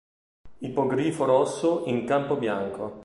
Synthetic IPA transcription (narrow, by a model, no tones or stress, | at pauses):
ipoɡɾiːfoɾɔsːoiŋkampobjaŋko